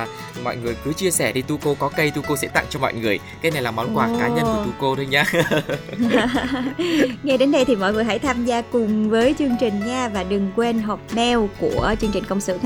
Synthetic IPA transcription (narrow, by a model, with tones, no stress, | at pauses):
mɔ̰˧˨jŋɨ˨˩əjkɨ˨˦t͡ɕi˧əsɛ˧˩ɗi˧t̪u˧ko˧kɔ˨˦kə˧jt̪u˧ko˧sɛ̰˧˥t̪a̰˧˨ŋt͡ɕɔ˧mɔ̰˧˨jŋɨ˨˩əjkaː˨˦jna˨˩jlaː˨˩mɔ˨˦nkwaː˨˩kkaː˨˦ɲə˧nkt̪u˧ko˧ɗɨ˨˧˦ɲaː˧ | ŋa˧jɗe˨˦nɗə˧jt̪ʰi˨˩mɔ̰˧˨jŋɨ˨˩əjɦa̰˧˥˩jt̪ʰaː˧mzaː˧kʊ˨˩ŋ͡mvəː˨˦jt͡ɕɨ˧əŋt͡ɕï˨˩ŋ̟ɲaː˧vaː˨˩ɗɨ˨˩ŋkwe˧nɦɔ˨˩p̚mɛ˧wku˧˩ət͡ɕɨ˧əŋt͡ɕï˨˩ŋ̟kə˧wŋ͡msɨ̰˧˨